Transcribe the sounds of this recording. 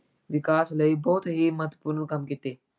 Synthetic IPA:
ʋikaːsləibəɦut̪ɦimɐɦt̪ːəpuɾnəkɐmkit̪eː

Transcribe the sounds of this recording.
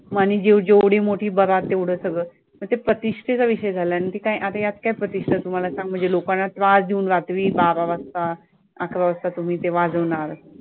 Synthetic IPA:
maniːd͡ʑed͡ʑeʋɽ̤iːmoʈʰiːbəɾat̪ːeʋɽ̤əːsəɡɭəː | məɡt̪epɾət̪iʂʈʰet͡saʋiɕəjd͡zʱalanit̪ikaiʔat̪ajat̪kaipɾət̪iʂʈʰət̪um̤alasãŋɡ̚m̤əɳd͡zelokanːat̪ʋad͡zd̪ʱiunʋat̪ʋiːbaʋaʋəst̪a | akʰʋaʋəst̪ʰat̪um̤iːt̪eʋad͡zəʋɳaɾə

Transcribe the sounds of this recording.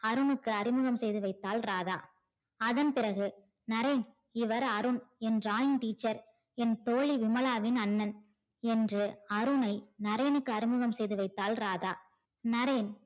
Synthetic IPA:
ɐɾɯnɯkːɯɐɾɪmɯɣɐmsɛjðɯʋɐɪt̪ːaːlɾaːðaː | ɐðɐnpɪɾɐɣɯ | nɐɾɐɪn | ɪʋɐɾɐɾɯnɛnraːjɪnʈiːt͡ʃːɐɾ | ɛnt̪oːɭiʋɪmɐlaːʋɪnɐnːɐn | ɛndrɯɐɾɯnɐɪnɐɾɐjnɯkːɯɐɾɪmɯɣɐmsɛjðɯʋɐɪt̪ːaːlɾaːðaː | nɐɾɐɪn

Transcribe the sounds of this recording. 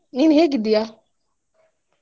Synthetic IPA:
ninheɡidija

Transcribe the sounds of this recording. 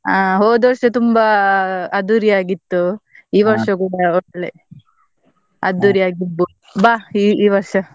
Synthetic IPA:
aːɦoːd̪oɾʂɐt̪umbɐɐd̪uɾijaːɡit̪ːu | iːʋɐɾʂɐkuːɽɐɔɽɐɭe | ɐ̰d̪uɾijaːɡibːu | baːiiːʋɐɾʂɐ

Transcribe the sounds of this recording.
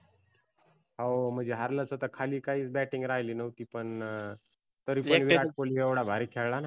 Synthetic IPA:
ɦaom̤əd͡ʑeɦaɾlət͡sot̪akʰaliːkaɦiːt͡sbæʈiŋɡɾaɦjliːnəʋt̪iːpəɳ | t̪əɾiːəɳʋiɾaʈ̚poliːeʋɽabʱaɾikʰɛɭɭana

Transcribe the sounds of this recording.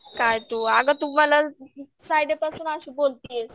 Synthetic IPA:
kajt̪uːaɡat̪um̤ala | sajɖepasuːnaɕiːbolt̪ies

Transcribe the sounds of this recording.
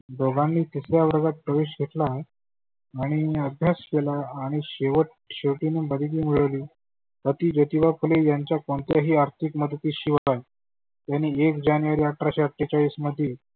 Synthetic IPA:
ɖ̪oɡãnːiːt̪isjaʋəɾɡat̪̚pɾəʋeɕɡʱet̪laː | ɽ̃iəbʱjaskelaːɽ̃iɕeʋəʈ̚ | ɕeʋʈiniːbəd̪ʱikiːmiɭəʋliː | t̪ət̪iːd͡ʑət̪iʋakʰulejaɲt͡ɕjakoɳt̪jaɦiːaɾt̪ʰikməd̪ət̪iːɕiʋəlaj | t̪janːiːekd͡ʑanjuʋəɾiaʈɾaɕaʈːit͡ɕaʋiːsməd̪ʱːje

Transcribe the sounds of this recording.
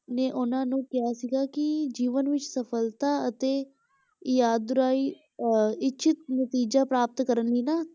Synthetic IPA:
neːʔʊnãːnũːkɪɦaːsiɡaːkɪd͡ʒiːʋənʋɪt͡ʃsəpʰəlt̪aːət̪eː | jaːd̪ːʊɾaːiː | ɪtːʃʰɪt̪nət̪iːd͡ʒaːpɾaːpət̪kəɾənliːnaː

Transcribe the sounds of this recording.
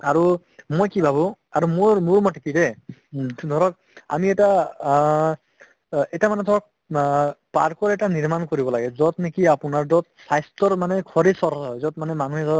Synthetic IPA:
aɹu | mojkibʱabu | aɹummuɹmɔtekidɛ | d̪ʱɔɹɔk̚ | a̰miɛta | ɛtamanɛd̪ʱɔɹɔk̚ | paɹkɔɹɛtaniɹmankoɹibɔlaɡɛzɔt̪nikiapunaɹdɔt̪̚sajstɔɹmanɛkʰɔɹisɔɾjzɔt̪̚manɛmanuɦiɔ

